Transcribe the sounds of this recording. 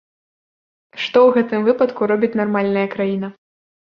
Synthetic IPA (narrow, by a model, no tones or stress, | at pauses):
ʂt̪ɔwɣɛt̪ɨmvɨpɐt̪kuɾɔbʲit͡sʲnarmalʲnɐjɐkɾajin̪ɐ